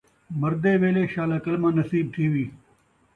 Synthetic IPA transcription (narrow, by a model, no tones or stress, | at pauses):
mɐɾd̪eːʋeːleːɕaːlaːkɐlmãːnɐsiːb̚t̪ʰiːʋiː